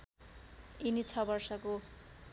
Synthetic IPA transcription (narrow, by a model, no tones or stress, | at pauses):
init͡sʰʌbʌrsʌko